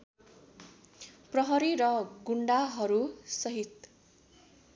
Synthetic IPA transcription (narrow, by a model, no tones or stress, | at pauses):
prʌɦʌɾiɾʌɡuɳɖaɦʌɾusʌɦit̪